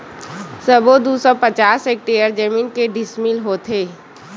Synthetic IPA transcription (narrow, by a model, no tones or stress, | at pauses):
səbod̪usɔpət͡ʃaːsek̚ʈejəɾd͡ʒəmiːnkeɖɪsmilɦot̪ʰeː